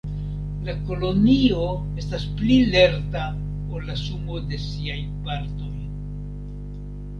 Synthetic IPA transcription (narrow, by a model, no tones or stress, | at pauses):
lako̞lo̞nio̞ | e̞stasplile̞ɾta | o̞lːasumo̞de̞siajpaɾto̞j